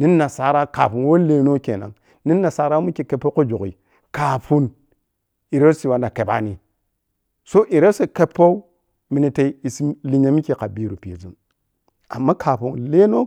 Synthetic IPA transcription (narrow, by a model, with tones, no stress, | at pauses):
ni˦nː˦a˨sa˨˦ɾa˦ka̰˨pu˨nwo˦le˦no˦kḛ˨na̰˨ŋ | ni˦nːa˨sa˨˦ɾa˦wo˦mi˦ke˨ke˨pːo˦ko˦d͡ʒo˨kḭ˨ | ka˨pu˦n | i˨ɾe˦si˨wa˨na˨ke˨ba̰˦ni˦ | so˦ʔi˨ɾe˦se˨ke˦pːo˦u˦ | mi˨ni˨te˦i˦i˨si˦li˦ɲa˨mi˦ke˨ka˨bi˦ɾu˨pi˨jḛ˨zṵ˦n | a˨mːa˦kʰa˨pu˨ŋle˦no˦